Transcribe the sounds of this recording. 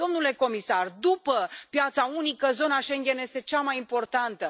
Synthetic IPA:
o̞mnule̞ko̞misard̪upəpjat̪saunikəzo̞naʃe̞ŋɡʲe̞nje̞st̪e̞t͡ʃamajimpo̞rt̪ant̪ə

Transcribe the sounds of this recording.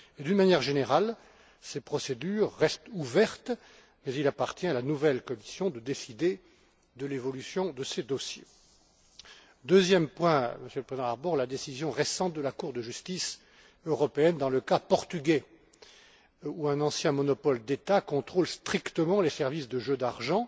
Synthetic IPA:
ed̪ynmanjɛʁʒeneʁal | sepχɔsed̪yʁːɛst̪uvɛʁt̪ | mɛzilapaʁt̪jɛ̃alanuvɛlkɔmisjɔ̃d̪əd̪esid̪e | d̪əlevɔlysjɔ̃d̪əsed̪ɔsje | d̪øzjɛmpwɛ̃məsjøləpχezedɑ̃aʁbɔʁlad̪esizjɔ̃ʁesɑ̃t̪̚d̪əlakuʁd̪əʒyst̪is | øʁɔpeɛnd̪ɑ̃ləkapɔʁt̪yɡʲɛ | uɛ̃nɑ̃sjɛ̃mɔnɔpɔld̪et̪akɔ̃t̪χolst̪χikt̪əmɑ̃lesɛʁvisd̪əʒød̪aʁʒɑ̃

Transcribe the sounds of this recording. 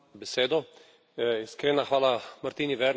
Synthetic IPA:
bɛseːd̪ɔ | iskɾeːnaxʋaːlamaɾt̪iːniʋɛɾ

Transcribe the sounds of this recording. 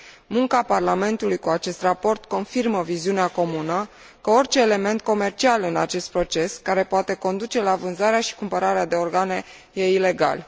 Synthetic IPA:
muŋkaparlame̞nt̪ulujkuat͡ʃe̞st̪rapo̞rt̪ko̞nfirməviziuneako̞munə | kəo̞rt͡ʃe̞ːle̞me̞nt̪̚ko̞me̞rt͡ʃialɨna̰t͡ʃe̞st̪̚pɾo̞t͡ʃe̞skaɾe̞poat̪e̞ko̞nd̪ut͡ʃe̞lavɨnzaɾeaʃi̥kumpəɾaɾead̪e̞o̞rɡane̞ | je̞ile̞ɡa̰l

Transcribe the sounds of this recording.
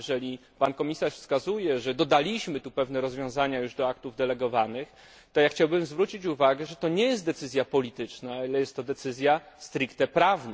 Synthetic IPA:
ʐɛlʲipankɔmʲisaʂfskazujɛʐɛd̪ɔd̪alʲiɕmɘt̪upɛvnɛɾɔzvʲjɔ̃w̃zaɲajuʐd̪ɔak̚t̪uvd̪ɛlɛɡɔvanɘx | t̪ɔjaxt͡ɕawbɘmzvɾut͡ɕit͡ɕuvaɡɛʐɛt̪ɔɲɛjɛst̪d̪ɛt̪sɘzʲjapɔlʲit̪ɘt͡ʂnalɛjɛst̪ːɔd̪ɛt̪sɘzʲja | st̪ɾɘkt̪ɛpɾavn

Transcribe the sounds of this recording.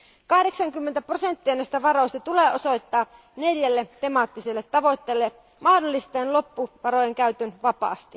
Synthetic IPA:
kɑhde̞ksɑŋkymːent̪æprose̞nt̪ːiɑnæist̪æʋɑro̞ist̪ɑt̪uleːʔo̞so̞jt̪ːɑː | neljælːet̪e̞mɑːt̪ːiselːet̪ːɑʋo̞t̪ːeːlːe | mɑhdolːist̪eːnlo̞pːuʋɑɾo̞jeŋkæyt̪ønʋɑpɑ̰ːst̪i

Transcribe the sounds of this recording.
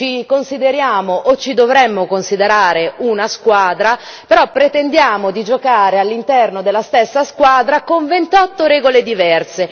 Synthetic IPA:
t͡ʃikonsid̪eɾjaːmoʔot͡ʃːid̪ovɾɛmːokonsid̪eɾaːɾeunaskwaːd̪ɾa | peɾɔpːɾet̪end̪jaːmod̪id͡ʒokaːɾealːint̪ɛrnod̪elːast̪esːaskwaːd̪ɾakoɱvent̪ɔt̪ːoɾɛːɡoled̪ivɛrse

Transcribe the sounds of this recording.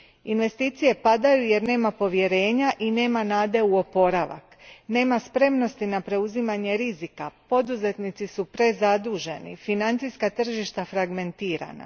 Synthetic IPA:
inʋe̞st̪iːt̪sije̞pad̪ajuje̞ɾne̞ːmapo̞ʋje̞ɾe̞ːɲaʔine̞ːmanaːd̪e̞uo̞po̞ɾaʋa̰kne̞ːmaspɾe̞mno̞st̪inapɾe̞uzimaɲe̞ɾizikapo̞d̪uze̞t̪nit̪sisupɾe̞zad̪uːʒe̞nḭfinant̪sijskat̪r̩ʒiʃt̪afɾaɡme̞nt̪iːɾa̰na̰

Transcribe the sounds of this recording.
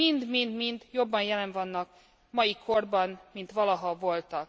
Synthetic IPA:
ind̪mind̪mind̪jo̞bːɒnjɛlɛɱvɒnːɒk | mɒjikʰo̞rbɒnmint̪ʋɒlɒɦɒvo̞lt̪ɒk

